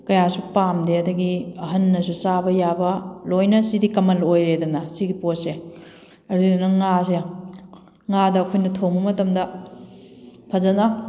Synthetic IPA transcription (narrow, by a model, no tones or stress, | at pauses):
kɐjasupamdeɐdɐɡiɐɦɐnːɐs̬usabɐjabɐlojnɐsidikɐmɐlojɾedɐnɐsiɡipose | ɐdudɐnɐŋas̬e | ŋadɐːkʰojnɐtʰombɐmɐtɐmdɐ | pʰɐzɐnɐ